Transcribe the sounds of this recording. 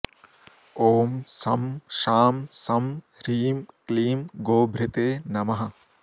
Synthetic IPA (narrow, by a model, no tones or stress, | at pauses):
oːmsɐmʃaːmsɐm | ɾiːmkliːmɡoːbʱɾɪt̪eːnɐmɐɦɐ